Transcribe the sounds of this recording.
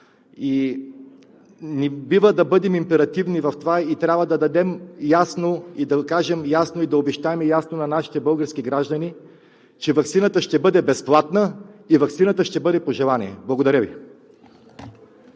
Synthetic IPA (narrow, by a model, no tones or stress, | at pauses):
i | nɛbivəd̪ɐbɤd̪ɛmimpɛɾɐt̪ivnivɐft̪ovait̪ɾʲabvəd̪ɐd̪ɐd̪ɛmjasnoid̪ɐkaʒɛmjasnoid̪ɐobɛʃt̪aɛmɛjasnonɐnaʃi̥t̪ɛbɤlˠɡəɾskiɡɾaʒd̪əni | t͡ʃɛvɐktsinət̪əʃt̪ɛbɤd̪ɛbɛsplˠat̪nəivɐkt̪sinət̪əʃt̪ɛbɤd̪ɛpoʒɛlˠanʲḭɛblˠɐɡod̪ɐɾəvi